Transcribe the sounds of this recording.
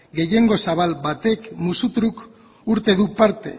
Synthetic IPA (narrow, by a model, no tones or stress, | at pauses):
ɡe̞jeŋɡo̞saβalbat̪e̞kmusut̪ɾuk | uɾt̪e̞ðupaɾt̪e̞̰